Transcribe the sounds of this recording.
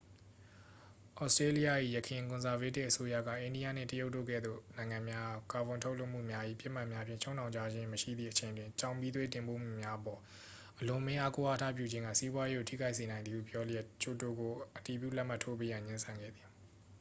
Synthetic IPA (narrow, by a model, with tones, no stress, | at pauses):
ʔɔ˦ʊstɹe˦li˦ja˦˨ʔḭ˦˨jəkʰɪ̃˨kʊ̃˨nza˨ve˦tɪ˦ʔəso˦ja̰˦˨ɡa̰˦˨ʔẽ˨ndi˦ja̰˦˨nɪ̰̃˨tə˦jo˦ʊʔtːo̰˦˨kɛ̰˦˨d̪ðo̰˦˨nã˨ɪ̃ŋã˨mja˦˨ka˨bʊ̃˨ntʰo˦ʊʔlo˦ʊʔm̥ṵ˦˨mja˦ʔḭ˦˨pjɪ˦ʔm̥a˦ʔmja˦pʰjɪ̃˦˨t͡ɕʰõ˦ʊ̃nʰã˨ʊ̃ɲt͡ɕa˦˨d͡ʑɪ̃˦məʃḭ˦˨d̪ðḭ˦˨ət͡ɕʰẽ˨ɪ̃ndwɪ̃˨ɲt͡ɕã˨ʊ̃mpi˦d̪we˦tɪ̃˨mpo̰˦˨m̥ṵ˦˨mja˦ʔəpɔ˨ | ʔəlʊ̃˨mɪ̃˦ʔa˦ko˦ʔa˦tʰa̰˦˨p̬ju˦˨d͡ʑɪ̃˦ŋɡä̰˦˨si˦bwa˦je˦ɡo˨tʰḭ˦˨ɡa˦ɪʔs̬e˨nã˨ɪ̃nði˨ṵ˦˨pjɔ˦ljɛ˦˨t͡ɕo˦˨to˨ɡo˨ʔəti˨p̬jṵ˦˨lɛ˦ʔm̥a˦˨tʰːo˦p̬e˦jã˨ɲɪ̃˦nsʰã˨ŋɡɛ̰˦˨d̪ði˨